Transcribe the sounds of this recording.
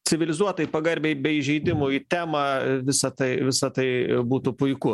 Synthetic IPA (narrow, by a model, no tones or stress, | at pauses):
t͡sʲɪʋʲɪlʲɪzuɔt̪ɐipɐɡɐɾʲbʲeːbʲɛiʒʲɛɪd̪ʲɪmʊːit̪ʲæːmɑʋʲɪsɐt̪ɐɪʋʲɪsɐt̪ɐɪbuːt̪upʊɪkʊ